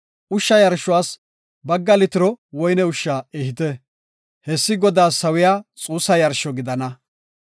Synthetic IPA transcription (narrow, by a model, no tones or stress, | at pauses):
ʔʊʃːɐjɐɾʃʊwaːs | bɐɡːɐlɪt̪ɪɾɔwɔjnɛʊʃːaːɛhɪt̪ɛ | hɛsːɪɡɔd̪aːsɐwɪjaːt͡sʼuːsːɐjɐɾʃɔɡɪd̪ɐnɐ